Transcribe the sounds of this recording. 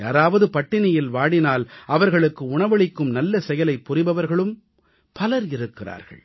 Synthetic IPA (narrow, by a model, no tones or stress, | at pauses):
jaːɾaːʋɐðɯpɐʈːɪnɪjɪlʋaːɽɪnaːlɐʋɐɾɣɐɭɯkːɯʊɳɐʋɐɭɪkːɯmnɐlːɐsɛjɐlɐɪpːʊrɪbɐʋɐɾɣɐɭɯm | pɐlɐɾɪɾɯkːɪra̰ːɾɣɐ̰ɭ